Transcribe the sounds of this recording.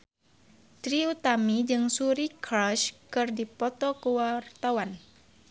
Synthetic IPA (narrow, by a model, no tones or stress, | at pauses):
t̪ɾiut̪amid͡ʒɨŋsuɾikɾaʃkɨrdipɔt̪ɔkuwart̪awan